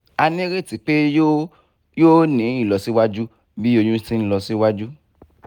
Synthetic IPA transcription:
a˧nĩ˦ɾe˦˨ti˨˦k͡pe˦ | jo˦nĩ˨˦ĩ˦˨lɔ˧si˦wa˦d͡ʒu˦ | bi˦o˧jũ˦sĩ˦n̩˦lɔ˧si˦wa˦d͡ʒu˦

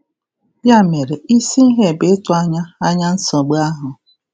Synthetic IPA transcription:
ja˦˨me˨ɾe˨ʔi˦si˦i˦ɦe˦˨be˨˦tʊ˨a˦ɲa˦a˦ɲa˦n̩˦sɔ˨ɡ͡ba˦ɦʊ˨

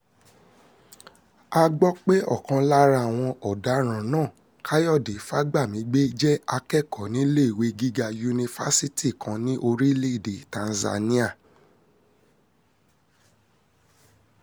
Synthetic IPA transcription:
a˧ɡ͡bɔ˦k͡pe˦ʔɔ̰˦˨kã˧la˦ɾa˦˨w̃ɔ̃˧ʔɔ˨da˨˦ɾ̃ã˨nãː˦˨ | ka˦jɔ˦˨de˨˦fa˦ɡ͡ba˦˨mĩ˨˦ɡ͡be˦d͡ʒɛ˦a˧kɛ˦˨kɔ˨˦nĩ˨˦le˦˨we˨˧ɡi˦ɡa˧ju˧nĩ˧fa˦si˦ti˦˨kã˨˧nĩ˦ʔo˧ɾi˦le˦i˦˨de˨tã˨˧n̩˨za̰˧nĩ˦a˦˨

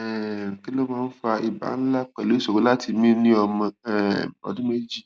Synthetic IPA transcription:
ki˦lo˦mãː˦˧n̩˦fa˧i˨ba̰˨˦n̩˦la˦k͡pɛ˨le˨˦so˨o˦la˦tʰi˧mĩ˦nĩ˦ɔ˧mã˧ɛ˦˨ɔ̰˧dũ˦me˦d͡ʒi˦

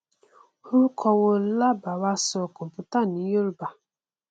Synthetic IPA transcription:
hu˦kʰɔ˦wo˦la˦ba˨wa˦sɔ˨kʊ˨pʊ˨ta˦˨ni˨˦jo˦ɾba˨

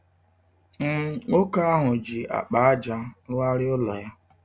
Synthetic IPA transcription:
m̩˦˨o˦ka˦a˦ɦʊ˨d͡ʒi˨a̰˨k͡pa˨a˦d͡ʒa˦lʊ˦a˦ɾɪ˦ʊ˦lɔ˨ja˦

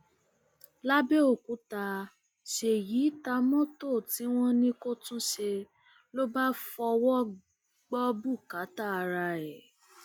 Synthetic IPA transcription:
la˦be˦o˦˨kũ˨˦ta˧ | ʃe˨ji˨˦ta˧mɔ̃˦to˦˨ti˨˦w̃ɔ̃˦nĩ˦ko˦tũ˦ʃe˧ | lo˦ba˦fɔ˧wɔ˦ | ɡ͡bɔ˦bu˦˨ka˨˦ta˦˨a˧ɾa˧ɛ˨

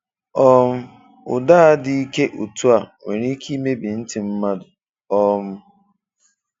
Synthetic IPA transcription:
ɔ˦m̩˦ | ʊ̰˨da˦a˦dɪ˦i˦ke˦ʔu˨tu˦a˨ŋʷe˨ɾi˦i˦ki˦me˦bi˨n̩˦tɪ˨m̩˦ma˦dʊ˨ | ɔ˦m̩˦

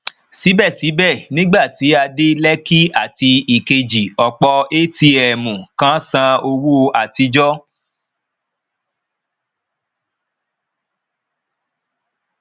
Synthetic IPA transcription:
si˨˦bɛ˦˨si˨˦bɛ˦˨nĩ˦ɡ͡ba˦˨ti˨˦a˧de˦lɛ˦ki˦a˦˨ti˧i˨ke˧d͡ʒi˨ɔ˧k͡pɔ˧e˦ti˧ɛ˨mũ˨kã˦sã˧o˧wu˦o˧ʔa˨ti˧d͡ʒɔ˦

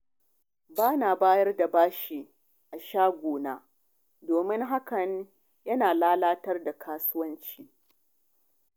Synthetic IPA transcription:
baː˦naː˨baː˦jɐ˦rda˨baː˦ʃi˨ | ʔa˨ʃaː˦ɡʷoː˨naː˦ | doː˨mɪ˦ŋɦa˦kɐ˨ɲ | jɐ˦naː˨laː˦laː˦tɐ˦rda˨kʰaː˦sʊ˦wɐ˦nt͡ʃiː˦

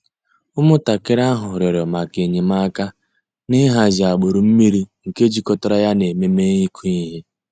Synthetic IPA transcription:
ʊ˦mʊ˦ta˨kɪ˦ɾa˦ɦʊ˨ɾjɔ˨ɾɔ˨ma˨ke˨ɲe˨ma˦ka˦ | nɪ˦ɦa˨zɪ˨a˨ɡ͡bo˨ɾu˨m̩˦mi˦ɾi˦ŋ̩˨ke˦d͡ʒi˨kɔ˦tɔ˦ɾa˦ja˦ne˨me˦me˦i˦kʰu˦i˦ɦe˦

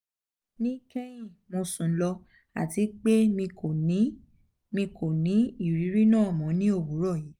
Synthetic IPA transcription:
nĩ˦kɛ˦jĩ˦˨mõ˧sũ˨˦lɔ˧ | a̰˨ti˨˦k͡pe˦mĩ˧ko˨nĩ˨˦ | mĩ˧ko˨nĩ˨˦i˦˨ɾi˨˦ɾi˦nãː˦˨mɔ̃˨˦nĩ˦o˦˨bu˨˦ɾɔ˦˨jiː˨˦

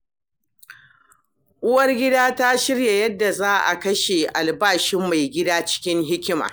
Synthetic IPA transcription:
ʔʊ˦wɐ˦rɡʲɪ˦daː˦ta˦ʃɪ˦rja˨jɐ˦dːa˨zaː˦ʔa̰˨kɐ˦ʃe˨ʔa˨lbaː˦˨ʃɪ˦mːa˨jɡʲɪ˦daː˦t͡ʃɪ̥˦kʲɪ˦ŋɦɪ˦kʲɪ˦ma̰ː˨

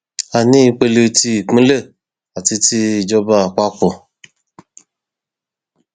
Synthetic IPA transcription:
a˨nĩ˦i˧k͡pe˧le˧˦ti˧i˨k͡pĩ˦le˦˨ | a˨ti˧ti˧i˨d͡ʒɔ˧˦ba˧a˨k͡pa˦kɔ˧˨

